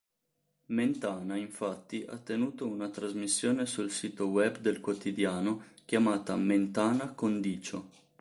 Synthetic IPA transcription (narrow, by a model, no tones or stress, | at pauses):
ment̪aːnaiɱfat̪ːiʔa̰t̪ːenuːt̪ounat̪ɾazmisːjoːnesulsiːt̪owɛbd̪elkwot̪id̪jaːnokʲjamaːt̪a̰ment̪aːnakond̪iːt͡ʃo